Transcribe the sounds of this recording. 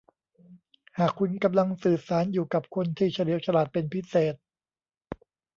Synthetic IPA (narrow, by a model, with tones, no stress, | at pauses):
haː˨˩kʰːu˧nka˧mla˧ŋsɯː˨˩saː˩˦njuː˨˩ka˨˩p̚kʰo˧nt̪ʰiː˥˩t͡ɕʰa˧li˨˦əwt͡ɕʰa˧laː˨˩t̪̚pe˧npʰi˦˥seː˨˩t̪̚